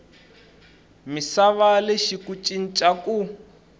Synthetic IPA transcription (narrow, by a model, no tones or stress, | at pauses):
misaβaleʃikut͡ʃʼin̩t͡ʃʼaku